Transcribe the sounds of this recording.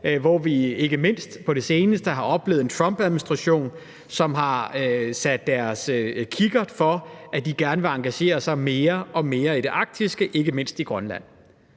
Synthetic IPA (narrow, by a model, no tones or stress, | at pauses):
ʋɒʋie̝ɡ̥əme̝n̰sd̥pʰɒ̽ɾe̝se̝ːnəsd̥əɦɑ̈ʔɒ̽b̥le̝̰ːð̩ent͡sʰʁɒ̽mb̥æð̩ˠminisd̥ʁɑɕo̝̰ːn | sɒ̽mɦɑ̈sæd̥ːæɐskʰiɡ̥ɐd̥fɒ̽æd̥iɡ̥æɐnəʋe̝ɑ̈ŋɡ̥æɕe̝̰ːɐsɑ̈ɪme̝ːɐʔɒ̽me̝ːɐiɾe̝ʔɑ̈ɡ̥̚d̥isɡ̥əʔe̝ɡ̥əme̝n̰sd̥iɡ̥ʁɶnlæ̰n̰